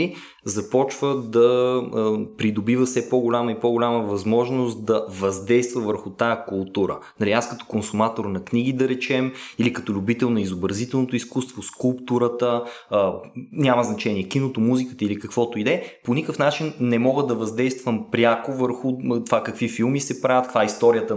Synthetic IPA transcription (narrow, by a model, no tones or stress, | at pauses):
i | zɐpɔt͡ʃvəd̪ɐ | pɾid̪obivəfsɛpoɡʊlʲaməipoɡʊlʲaməvɐzmɔʒnost̪d̪ɐvɐzd̪ɛjst̪vəvəɾxʊt̪ajəkʊlˠt̪uɾə̰nɐɾiaskɐt̪o̥konsʊmat̪oɾnɐkniɡ̟id̪ɐɾɛt͡ʃɛmilikɐt̪olʲʊbit̪ɛlˠnɐizobɾɐzit̪ɛlˠnot̪oiskust̪voskulˠpt̪uɾət̪əː | nʲaməznɐt͡ʃɛniɛkinot̪omuzikət̪əilikɐkvɔt̪oid̪ɛponikəfnat͡ʃinnɛmɔɡəd̪ɐvɐzd̪ɛjst̪vəmpɾʲjakovəɾxʊt̪ovakɐkvifilˠmisɛpɾavʲjət̪̚kk̪vaist̪ɔɾiət̪ə